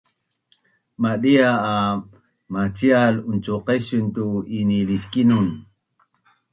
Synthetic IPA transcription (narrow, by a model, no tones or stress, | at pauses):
maɗiaː | mat͡sialunt͡suqeɕunt̪uiniliskinun